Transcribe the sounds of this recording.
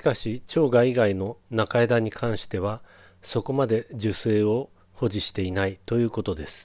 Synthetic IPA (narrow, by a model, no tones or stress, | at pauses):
ɕi̥kaɕit͡ɕo̞ːɡaiɡaino̞nakaed̪aɲ̟ikʰãɰ̃ɕi̥t̪e̞β̞a | so̞ko̞mad̪e̞d͡ʑɨse̞ːo̞ | ho̞ʑiɕi̥t̪e̞inait̪o̞jɯ̟ːko̞t̪o̞d̪e̞sɨ̥